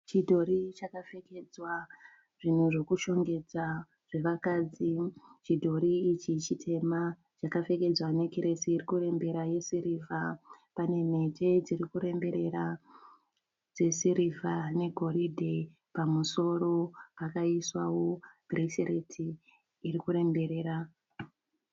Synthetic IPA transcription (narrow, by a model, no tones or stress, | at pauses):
t͡ʃidʱo̞ɾit͡ʃakafe̞ke̞d͡zwa | ʐ̥in̤uʐe̞kuʃo̞ŋɡe̞d͡za | ʐ̥e̞ʋakaːd͡zit͡ʃidʱo̞ɾiːt͡ʃit͡ʃitʰe̞ma | t͡ʃakafe̞ke̞d͡zwane̞kiɾesiːrikuɾe̞mbe̞ɾaje̞siɾiva | pane̞m̤e̞te̞d͡ziɾikuɾe̞mbe̞ɾe̞ɾa | d͡ze̞siɾivane̞ɡʱo̞ɾidʱe | pamuso̞ɾo̞pakaiswawo̞ɡ̥ʱriʃeretʰiː | rikuɾe̞mbe̞ɾe̞ːɾa